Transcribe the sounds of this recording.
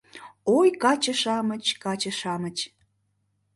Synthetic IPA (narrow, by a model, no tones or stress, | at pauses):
ojkɑt͡ɕəʃɑmət͡ɕkɑt͡ɕəʃɑmət͡ɕ